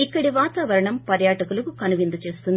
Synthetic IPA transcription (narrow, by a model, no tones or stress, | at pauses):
ikːɐɽiʋaːt̪aːʋɐɾɐɳɐmpɐɾjaːʈɐkulɐkukɐnuʋind̪ut͡ʃe̞ːst̪und̪i